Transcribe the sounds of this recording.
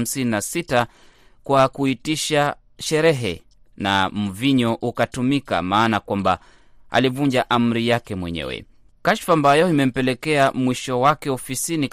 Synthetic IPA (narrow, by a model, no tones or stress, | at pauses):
m̩sininasita | kwakuitiʃa | ʃɛɾɛɦɛ̰ | na̰m̩viɲɔʔukatumika̰maːnakwamba | a̰livuɲd͡ʒaʔam̩ɾijakɛmwɛɲɛ̰wɛ̰ | kaʃfaːmbajɔimɛm̩pɛlɛkɛamwiʃɔwakɛɔfisini